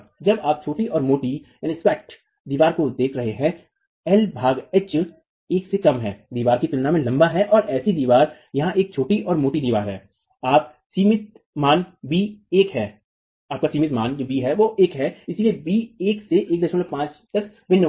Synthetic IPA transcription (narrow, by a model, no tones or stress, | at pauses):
d͡ʒɐbaːp̚t͡ʃʰoːʈiɔːɾmoːʈi | ɪ̃nɪspɛːk̚ʈ | d̪iːʋaːɾkod̪eːkʰɾɐɦeɦɛ̃ | ɛlbʱaːɡɛt͡ʃ | eːksekɐmɦɛːd̪iːʋaːɾkit̪ʊlnamẽlɐ̃mbaɦɛʔɔːɾʔɛːsid̪iːʋaːɾ | jɐɦãʔeːk̚t͡ʃʰoːʈiʔɔːɾmoːt̪id̪iːʋaːɾɦɛː | aːp̚ | siːmɪt̪̚ | maːnbiːeːkɦɛː | aːp̚kasiːmɪt̪maːnd͡ʒoːbiːɦɛʋoʔeːkɦɛɪsiliebiːeːkseʔeːk̚d̪ɐʃmənmepãːt͡ʃd̪ɐs | bɪnː